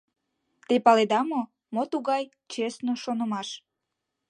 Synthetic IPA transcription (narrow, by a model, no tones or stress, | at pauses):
t̪epɑled̪ɑmo | mot̪uɣɑj | t͡ɕesnoʃonəmɑʃ